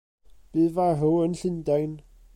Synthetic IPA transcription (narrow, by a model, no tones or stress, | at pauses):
b̥ɪvaɦəwənɬɪndajn